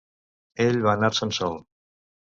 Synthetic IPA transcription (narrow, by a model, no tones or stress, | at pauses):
eʎβaənaɾsənsɔlˠ